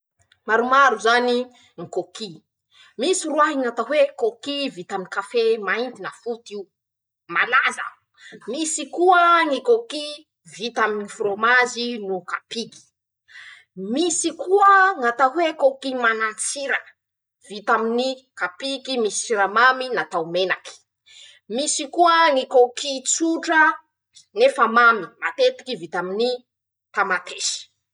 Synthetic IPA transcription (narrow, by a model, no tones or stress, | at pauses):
maɾumaɾuzani | ŋikoki | misiruaɦiŋat̪aɦwekokivit̪aminkafemaint̪inafut̪iu | malazə̰ | misikuəŋikoki | vit̪aminifromazinukapiki̥ | misikuəŋat̪akwekokimanant͡siɾə | v̥it̪aminikapikimisi̥t͡siɾamaminat̪awmenaki̥ | misikuəŋikokit͡suʈ͡ʂə | nefəmamimat̪et̪i̥kivit̪amini | t̪amat̪ʰeʃi̥